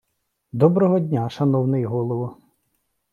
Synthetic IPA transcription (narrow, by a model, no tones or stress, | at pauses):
d̪ɔbɾɔɦɔdʲnʲaʃɐnɔwnɪjɦɔlˠɔʋʊ